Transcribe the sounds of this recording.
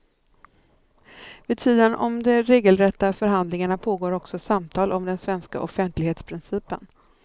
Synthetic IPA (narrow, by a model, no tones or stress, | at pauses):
vɪːd̪̚t̪ʰiːd̪ənʔɔ̰md̪ɛɾeːɡəlɾɛt̪ːafœɾɦand̪lɪŋaɳapʰoːɡoːɾɔksɔsamt̪ʰɑːlʔɔmd̪ɛnsvɛnska̰ʔɔfɛnt̪lɪɡheːt̪spʰɾɪnsiːpə̰n